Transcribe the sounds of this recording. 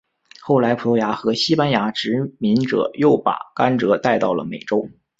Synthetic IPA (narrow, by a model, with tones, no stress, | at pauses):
xo˥˩ʊla˧˥ɪpʰu˨˩o˧˥ja˧˥xɤ˧˥ɕi˥pa˥nja˧˥ʈ͡ʂɻ̩˧˥mi˧˥nʈ͡ʂɤ̰˨˩˦jo˥˩ʊpa̰˨˩ka˥nʈ͡ʂɤ˧˥t̪a˥˧ɪt̪ɑ˥˩ʊlə̰˩mḛ˨˩ɪʈ͡ʂo˥ʊ